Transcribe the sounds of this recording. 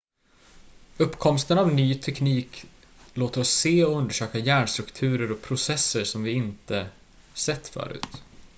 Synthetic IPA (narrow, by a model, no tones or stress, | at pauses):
ɵpːkʰɔmst̪ənavnyːt̪ʰɛkniːk | loːt̪əɾɔsːeːɔɵnd̪əʂøːkajæːɳʂt̪ɾɵkt̪ʰʉ̟ːɾəɾɔkpʰɾʊsɛsːəʂɔmvɪɪnt̪ə | sɛt̪ːfœ̰ːɾʉ̟̰ːt̪